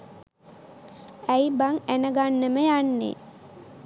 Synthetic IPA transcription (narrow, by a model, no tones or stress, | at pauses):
æjbaŋænəɡanːəməjanːḛ